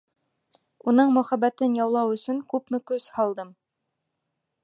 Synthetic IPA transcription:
unɤɴmɵ̆χæbæt̪ɘnjɑwlˠɑwɵ̆sɵŋkʉpmɘ̆kɵzhɑlˠd̪ɤm

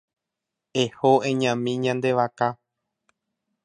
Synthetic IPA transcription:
ehoʔẽɲãmĩɲãnd̪e̞ʋaka

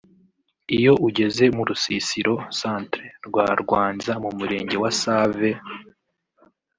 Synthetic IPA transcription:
ijo̞ʔuɟe̞ze̞muɾusisiɾo̞saːntɾeɾɡwaːɾɡwaːnzamumuɾe̞ːɲɟe̞wasaːve

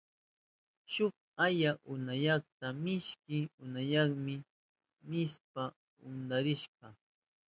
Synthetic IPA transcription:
ʃʊk̚ajaʔʊnajɑχt̪amɪʃkɪʊnajɑχmɪ | mɪspa | ʊnd̪aɾɪʃɢɑ

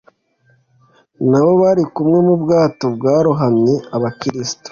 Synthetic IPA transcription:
naβo̞βaɾikumŋe̞mubɡaːtobɡaːɾuɦamɲeaβakiɾisi̥to̥

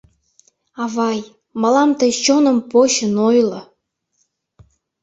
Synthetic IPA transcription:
ɑβɑj | mɑlɑmt̪əjt͡ɕonə̆mpoɕənojlˠɤ̆

